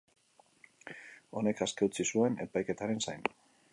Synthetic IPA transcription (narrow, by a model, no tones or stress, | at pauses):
o̞ne̞kaske̞ut͡sisue̞ne̞̰pajke̞t̪aɾe̞nsajn